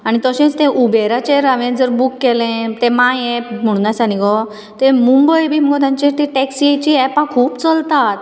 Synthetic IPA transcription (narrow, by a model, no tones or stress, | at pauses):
aɽ̃it̪əɕɛ̃t͡st̪ɛ̃ʔubeɾat͡ɕeɾaʋẽd͡zəɾbukːɛlɛ̃t̪ɛ̃mãjɛpm̤əɽ̃ũnasañikɔ | t̪ẽmũmbəjbʱiːməɡɔt̪jãɲt͡ɕẽt̪ẽʈɛksiet͡ɕiɛpãkʰuːpt͡səlt̪at̪